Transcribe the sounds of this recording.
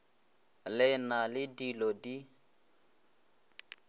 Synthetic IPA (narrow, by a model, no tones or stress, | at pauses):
lɪnalɪdilɔdi